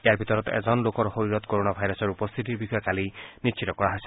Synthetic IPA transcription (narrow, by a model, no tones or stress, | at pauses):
ejaɹbʱit̪ɔɾɔt̪ḛzɔnlokɔɾxoɹiɾɔt̪koɾonabʱajɾɔsɔɹupɔst̪ʰit̪iɹbixɔjɔkalinist͡ʃʰit̪ɔkɔɹaɦɔjsɛ̥